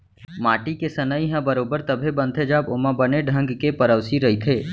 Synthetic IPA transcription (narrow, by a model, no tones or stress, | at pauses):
maːʈikesɐnəiɦãbɐɾoːbəɾt̪ɐbʱebɐ̃nd̪ʱʰed͡ʒaːbʊmãbəneɖʱɐ̃ŋɡkepɐɾəʊsiɾɐit̪ʰeː